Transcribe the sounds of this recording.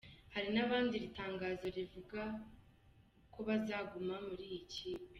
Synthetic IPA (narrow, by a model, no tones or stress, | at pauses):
haɾinaβaːndiɾitaːŋɡaːzo̞ɾivuɡa | kʰo̞βazaːɡumamuɾiːjiciːpe̥